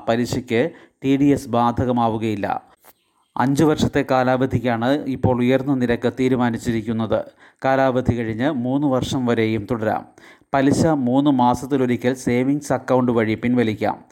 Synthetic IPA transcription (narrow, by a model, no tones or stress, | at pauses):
pɐliɕɐkʲːɨ | ʈiɖiesbaːd̪ʱɐɣɐmaːʋuɣɐjilːɐ̰ | ɐ̰ɲd͡ʑɨʋɐrʂɐt̪ːe̞kaːlaːʋɐd̪ʱikʲːaːɳɨipːo̞ːɭujɐrnːɐniɾɐkːɨt̪iːɾumaːnit͡ɕːiɾikʲːun̪ːɐðɨ̰ | kaːlaːʋɐd̪ʱikɐɻiɲːɨmuːnːɨʋɐrʂɐmʋɐɾe̞jumt̪uɽɐɾa̰ːmpɐliɕɐmuːnːɨmaːsɐt̪ːilo̞ɾikʲːɐlse̞ːʋiŋɡsɐkːɐwɳɖɨʋɐɻipːinʋɐlikʲːa̰ːm